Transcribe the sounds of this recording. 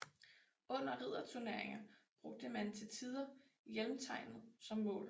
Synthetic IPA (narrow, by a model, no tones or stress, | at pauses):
ɔ̽n̰ɐʁið̞̰ˠɐt͡sʰuɐne̝ɐeŋɐb̥ʁɔ̽ɡ̥̚d̥əmænt͡sʰe̝lt͡sʰið̞ˠɐjelmt͡sʰɑ̈ɪ̰nð̩ˠsɒ̽mmɔ̰̽ːl